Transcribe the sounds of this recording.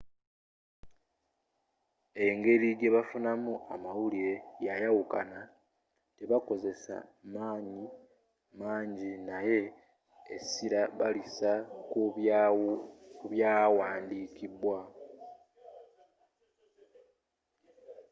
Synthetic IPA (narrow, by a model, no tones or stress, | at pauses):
e̞ŋɡe̞ɾiɡe̞βafunamuʔamawuliejajawukana | te̞βako̞ze̞sa̰maːɲi | maːɲɟinaje̞̰ː | siɾaβalisaku | kuβjaːwaːndiːkibwa